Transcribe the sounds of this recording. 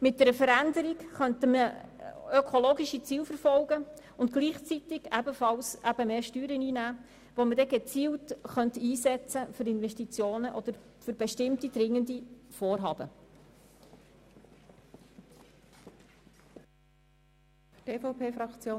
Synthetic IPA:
mɪt̚d̥ɛɾəfəɾændəɾikχœnt̪əmə | økʰoloːɡiʃit͡siːlfəɾfɔlɡə | ʊntɡ̥liːχt͡sit̪ɪɡ̥æbəfɑlsʔæb̥əmeːʃtyːɾəniːnæː | ʋomədɛɡet͡siːltχœnt̪iːsɛt͡səfʏɾɪnvɛʃtit͡sjoːnəʔɔd̥əɾ | fʏɾb̥ɛʃtɪmtid̪̥ɾɪŋːəndifoːrɦɑːbə | fteːfoʊpʰeːfɾɑkt͡sjoː

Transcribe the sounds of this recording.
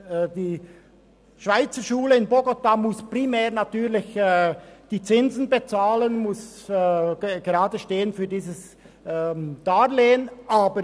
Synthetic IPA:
d̥iː | ʃv̥aɪt͡səʃuːləɪnboɡotamʊspʁ̥imɛːʁnatyːʁlɪç | d̥iːt͡sɪnzn̩bet͡saːlənmʊs | ɡ̥eʁaːdəʃteːənfyːdiːzəs | d̥aːleːənʔaːbəɾ

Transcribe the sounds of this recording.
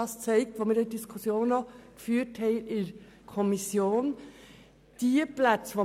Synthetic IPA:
ɑst͡sɛɪk̚tʋoːmɪɾɪdiskʰʊsjoːnɔkfyːəɾthɛɪɪɾ | kʰɔmisjoːn | d̥iəplæt͡sʋo

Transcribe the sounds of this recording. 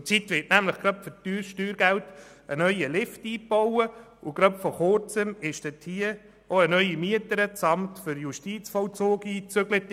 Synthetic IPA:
t͡sitʋɪtnæmləχɡ̥ɾœpfʏɾtyːʃtyːɾɡælt | ənœʏəlɪftiːpɔwə | ʊɡ̥ɾœpfɔχʊɾt͡səmɪʃd̥ɛthiə | oənœʏimiətəɾət͡sɑmtfʏɾjuʃtiːt͡sfɔwt͡soːɡiːt͡søɡlət

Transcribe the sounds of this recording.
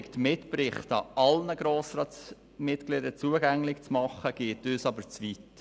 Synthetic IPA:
ktmɪtpɾɪχtɑɑlnəɡ̥ɾoːsɾɑːt | mɪtɡ̥lidət͡suəɡæŋlɪkt͡smɑχəɡ̥eːtøːsɑbəɾt͡svit

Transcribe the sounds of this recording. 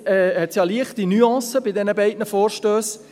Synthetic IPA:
ɛhɛtsjɑliəχtinyɑ̃ːsəbɪdɛnəbɛɪdnəfoːɾʃtøːs

